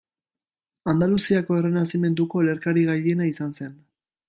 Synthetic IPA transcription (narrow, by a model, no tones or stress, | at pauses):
and̪alusiako̞e̞renasime̞nd̪uko̞le̞ɾkaɾiɣaʎe̞naisanse̞n